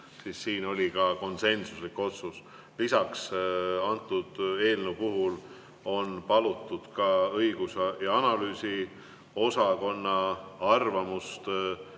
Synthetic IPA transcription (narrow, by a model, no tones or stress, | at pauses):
siːsːiːno̞lʲikɑko̞nse̞nsuslikːˑo̞t̪sus | lisɑksɑnt̪ːˑud̪̥e̞ːlnupuɦul | o̞npɑlut̪ːˑud̪̥kɑɤiɡ̥usɑjɑɑnɑlyːsi | o̞sɑko̞nːɑɑrvɑmust̪